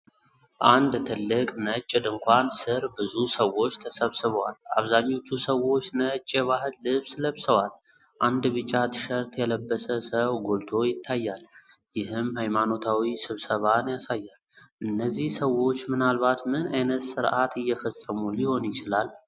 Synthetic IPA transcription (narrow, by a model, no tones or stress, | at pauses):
ʔand̪t̪ʰɨlːɨkʼnət͡ʃʼːɪd̪ɨŋkʷansɨɾbɨzusəwo̞t͡ʃːt̪ʰəsəβsɨβəwalaβzaɲːo̞t͡ʃːusəwo̞t͡ʃːnət͡ʃʼːeβahɨlɨβsləβsəwal | ʔand̪βɨt͡ʃʼːat̪ʰɨ̥ʃəɾt̪jɛləbːəsəsəwɡolt̪ʰo̞jɪt̪ʰːajːal | jɪhɨmhajmano̞t̪ʰawisɨβsəβanjasajːalʔɨnːəzːihsəwo̞t͡ʃːmɨnalβat̪mɨnajnət̪sɨɾʔat̪ɨjːɛfəsʼəmuliho̞njɪt͡ʃɪlal